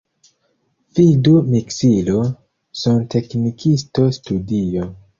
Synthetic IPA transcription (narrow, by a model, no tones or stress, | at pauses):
vidumiksilo | sontʰe̞knikʰisto̞studio